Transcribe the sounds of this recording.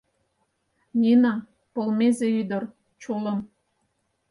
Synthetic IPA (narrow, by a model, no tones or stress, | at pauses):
nʲinɑ | polmezeyd̪ə̆r | t͡ɕulə̆m